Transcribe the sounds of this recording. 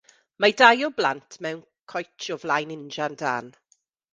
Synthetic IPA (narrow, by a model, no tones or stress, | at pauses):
madajɔbla̰ntʰmɛwn | kʰɔjt͡ʃʰɔvlajnɪnd͡ʒanda̰ːn